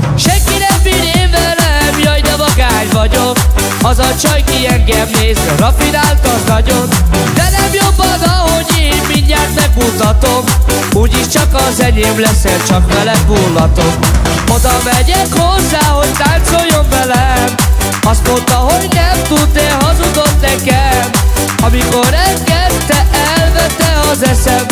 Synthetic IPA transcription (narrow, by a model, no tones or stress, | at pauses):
ʃɛŋkiɾɛmːiɾeːvɛlɛmjɒjnɛvɒɡaːɲvɒɟok | ɒzɒt͡ʃɒjkiɛŋɡɛmneːzɛrɒfinaːlk̪ɒznɒɟo̞nd̪ɛnɛmjobːɒzɒho̞ɟeːmmiɲːaːt̪mɛɡ̚mut̪ɒt̪o̞m | uːɟiʃt͡ʃɒkɒzɛɲeːmlɛselt͡ʃɒkmɛlɛbuːlːɒt̪omod̪ɒmɛɟɛkhozːaːɦo̞ɟ̚t̪aːnt̪so̞jːoɱvɛlɛm | ɒst̪mo̞nt̪ɒɦoɟnɛmt̪ud̪ːɛɦɒzud̪ot̪nɛkɛm | ɒmiko̞ɾɛŋɡɛtt̪ːɛʔɛlvɛt̪ːɛɒzɛsɛm